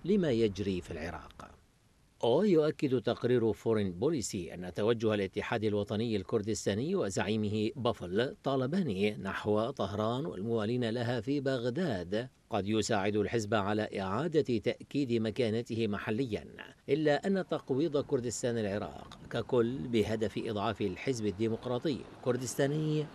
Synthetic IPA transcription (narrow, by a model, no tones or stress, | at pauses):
lɪmaːjad͡ʒɾiːfilʕɪɾˤɑ̰ːq | ʔajʊʔakːɪd̪t̪ɑqɾiːɾfʊɾɪnbʊlɪsiʔa̰nːat̪awad͡ʒːʊhalʔɪt̪ːɪħaːd̪alwɑt̪ˤɑnɪjːalkʊɾd̪ɪst̪aːnɪjːwazaʕiːmɪhɪbaflt̪ˤɑːlɑbaninaħwat̪ˤɑhɾˤɑːnwa̰lmʊwaːliːnalaɦafibaɣd̪aːd̪ | qɑd̪jʊsaːʕɪd̪ʊlħɪzbaʕalaːʔɪʕaːd̪at̪aʔkiːd̪ɪmakaːnat̪ɪhɪmaħalːɪjːa̰nʔɪlːaʔanːat̪ɑqwiːd̪ˤkʊɾd̪ɪst̪aːnalʕɪɾˤɑ̰ːqkakʊlːbɪɦad̪afɪʔɨ̰d̪ˤʕɑːfɪlħɪzbad̪ːiːmʊqɾˤɑːt̪ˤɨjːa̰lkʊɾd̪ɪst̪aːnɪj